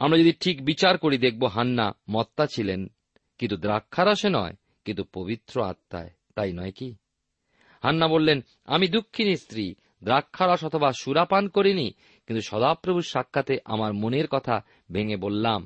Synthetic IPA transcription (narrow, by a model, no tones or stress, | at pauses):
amɾad͡ʑod̪iʈʰikbit͡ɕaɾkoɾid̪ek̚ʰboɦanːa̰mɔt̪ːat͡ɕʰilen | kint̪ud̪ɾakʰːaɾaʃenɔ̰e | kint̪upobit̪ːɾoa̰t̪ːa̰e | t̪ajnɔeki | hanːabolːen | a̰mid̪ukʰːinist̪ɾi | d̪ɾakʰːaɾaʃɔt̪ʰobaʃuɾapankoɾini | kint̪uʃɔd̪apɾobʱuɾʃakʰːat̪eʔa̰maɾmoneɾkɔt̪ʰa | bʱeŋebolːam